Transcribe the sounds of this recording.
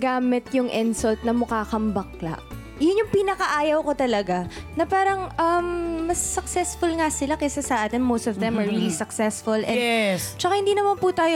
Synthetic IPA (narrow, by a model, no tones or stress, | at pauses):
ɡaːmɪt̪̚jʊŋʔɪnsɐlt̪̚nɐmʊkaːkɐmbɐkla̰ʔ | jʊnjʊŋpinɐkɐʔaːjɐwko̞t̪ɐlɐɡanɐpaːɾɐŋʔɐmːɐsːɐksɛsfʊlŋasɪlakɛsɛsɐʔaːt̪ɪnmowst̪ɔvd̪ɛmɐɹɹilisɐksɛsfʊlʔɛ̰nɛst͡ʃɐkahɪnd̪iːnɐmanput̪aːjo